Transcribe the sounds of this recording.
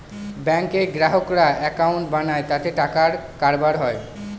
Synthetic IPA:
bɛŋkeɡɾaɦokɾaɛkawɳʈbanaet̪at̪eʈakaɾkaɾbaɾɦɔe

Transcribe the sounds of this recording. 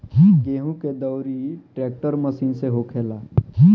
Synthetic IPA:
ɡeːɦũked̪əwɾiʈɾeːk̚ʈəɾməsiːnseɦokʰeːlaː

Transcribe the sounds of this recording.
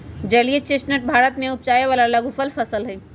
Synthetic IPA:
d͡ʒəliet͡ʃesnəʈ̚bʱaːɾət̪mẽʊp̚t͡ʃaːjeʋaːlaləɡʱupəlpʰəsəlɦɛ

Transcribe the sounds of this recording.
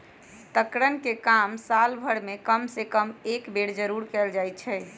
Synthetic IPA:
t̪əkɾənkekamsalbʱəɽmekəmsekəmekbeɽd͡ʒəɾuɾkɛld͡ʒajt̪t͡ʃʰɛ

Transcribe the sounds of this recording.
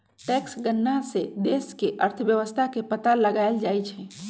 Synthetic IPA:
ʈɛːksɡənːased̪eːskeʔəɾt̪ʰʋjəʋəst̪ʰakepət̪aləɡaɪld͡ʒaːjt͡ʃʰɛ

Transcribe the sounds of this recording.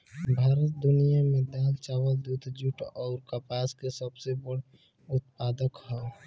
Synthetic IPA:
bʱaːɾət̪̚d̪ʊnijamẽd̪aːlt͡ʃaːwəld̪ud̪ʱd͡ʒuʈɔːɾkəpaːskesəbsebəɽ | ʊt̪̚paːd̪əkɦɔ

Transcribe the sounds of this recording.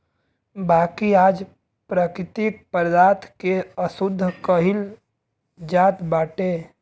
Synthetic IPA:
baːkiaːd͡ʒ | pɾaːkɾɪt̪ik̚pəɾd̪aːt̪ʰkeəsʊd̪ʱːəkəɦɪl | d͡ʒaːt̪baːʈe

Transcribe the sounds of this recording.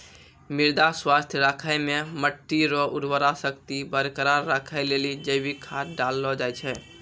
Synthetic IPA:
mɪɾd̪aswast̪ʰjɾakʰajmeməʈːiɾɔʔuɾʋəɾasəkt̪ibəɾkəɾaɾːakʰaɪlelid͡ʒəɪbikʰat̪ɖalːɔd͡ʒajt͡ʃʰɛ

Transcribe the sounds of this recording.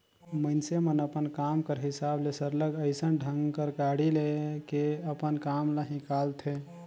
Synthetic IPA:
mənsemənəpənkamkəɾɦisablesəɾləɡəɪsənɖʱəŋɡkəɾkaɽilekeəpənkamləɦĩkalt̪ʰe

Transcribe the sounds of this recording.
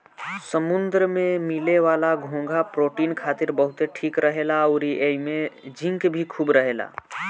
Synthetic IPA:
səmʊnd̪ɾəmẽmɪleʋaːlaɡʱõːŋɡʱapɾoːʈiːnkʰaːt̪ɪɾbəɦʊt̪eʈʰiːkɾəɦeːlaɔːɾiʔeimẽd͡ʒɪ̃ŋkbʱikʰuːbɾəɦeːla̰ː

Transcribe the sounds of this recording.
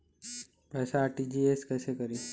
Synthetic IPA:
pɛːsaːʈid͡ʒiːeːskɛːsekɐɾiː

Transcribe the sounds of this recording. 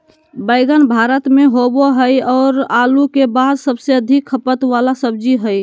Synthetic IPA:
bəɪɡənbʱaɾət̪meɦoboɦəjɔːɾalukebad̪səbseəd̪ʱikʰːəpət̪ʋalasəb̚d͡ʒiɦəj

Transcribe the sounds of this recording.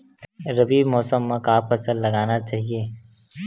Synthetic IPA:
ɾɐbiːmɔːsəmːãkaːpɐsəlːɐɡaːnat͡ʃaːɦieː

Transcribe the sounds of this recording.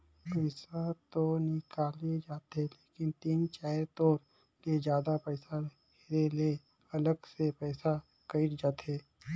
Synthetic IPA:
pɛɪsat̪onɪkaːlid͡ʒaːt̪ɛleːkɪnt̪iːnt͡ʃɛːɾt̪oːɾ | led͡ʒjaːd̪apɛɪsa | heɾele | ɐləɡsepɛːsa | kɐɪʈd͡ʒaːt̪ɦeː

